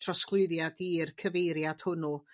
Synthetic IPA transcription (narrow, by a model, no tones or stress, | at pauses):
tʰrɔsklˠʊɨðjadirkʰəvejɾjad̥hʊnu